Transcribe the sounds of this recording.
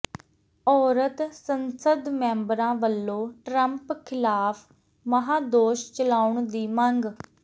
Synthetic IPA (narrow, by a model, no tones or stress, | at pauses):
ɔːɾət̪sənsəd̪mɛ̃ːmbɾãːʋəlːõːʈɾəmpkʰɪlaːpʰ | məɦaːd̪oːʃt͡ʃəlaːʊɳd̪iːməŋɡ